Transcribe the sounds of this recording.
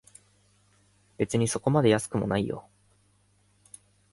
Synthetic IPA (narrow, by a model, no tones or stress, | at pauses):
b̥e̞t͡sɨɲ̟iso̞ko̞mad̪e̞jasɨ̥kɯ̟mo̞̰naijo̞̰